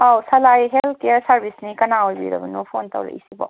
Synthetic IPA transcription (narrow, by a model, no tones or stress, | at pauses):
awsɐlajɦelkejəɾsɐɾbʱisnikɐnaojbḭɾɐ̰bɐnupʰont̪ɐ̰wɾḛḭsibɔ̰